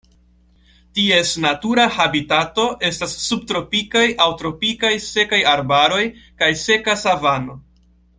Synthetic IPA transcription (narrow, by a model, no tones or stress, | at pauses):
tie̞snatuɾahabitato̞ʔe̞stasːub̚tɾo̞pikajawtɾo̞pikajse̞kajaɾbaɾo̞jkajse̞kasavano̞